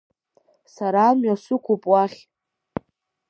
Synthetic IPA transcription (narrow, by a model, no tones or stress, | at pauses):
saɾaːmɥasʊkʷʰupʼwaχʲ